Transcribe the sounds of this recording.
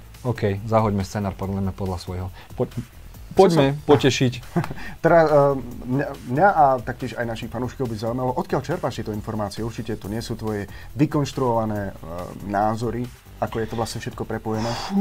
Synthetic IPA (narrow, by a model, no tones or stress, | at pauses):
ɔkɛjzaɦɔɟmɛst͡sɛnaːɾpɔd̪ujɛmɛpɔd̪lasʋɔjɦɔ | pɔ | pɔɟmɛpɔɛʃict̪ɛɾasmɲamɲaʔat̪ak̚cɪɛʃajnaʃixfanuːʃkɔʊbizaujmalɔʔɔt̪̚kɪaʎt͡ʃɛɾpaːʃt̪ɪɛt̪ɔinfɔɾmaːt͡siɛuɾt͡ʃicɛt̪uɲɪɛsuːt̪ʋɔjɛ | ʋikɔnʃt̪ɾuɔʋanɛːnaːzɔɾi | akɔjɛt̪ɔʋlasɲɛfʃɛt̪̚kɔpɾɛpɔjɛnɛː